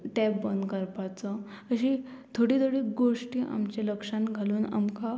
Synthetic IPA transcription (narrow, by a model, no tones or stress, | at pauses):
ʈɛpbənd̪kəɾpat͡sə | əɕit̪ʰoɽit̪ʰoɽiːɡoʂʈiːʔa̰mt͡ɕeləkʂãnɡʱaluːna̰mka